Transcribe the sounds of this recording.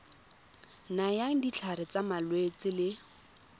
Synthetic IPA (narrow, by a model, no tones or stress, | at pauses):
najaŋ̩dit͡ɬʰaɾɪt͡samalwet͡sɪlɪ